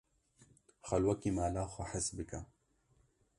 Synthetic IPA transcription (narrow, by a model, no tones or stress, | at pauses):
xɐlwɐkiːmaːlaːxʷɐħɪsbɨka